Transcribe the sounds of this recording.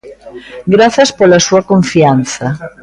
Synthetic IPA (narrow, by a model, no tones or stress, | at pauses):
ɡɾaθaspolasuakoɱfianθɐ